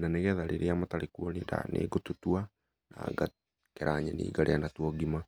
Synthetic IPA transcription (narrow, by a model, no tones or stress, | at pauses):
nanɛɣɛðaɾʔḛɾeamataɾekuɔniːnda̰nʔḛɡotutwa | na̰ːŋɡa | kɛɾaɲɛnḭːɡaɾʔeanatwɔɡima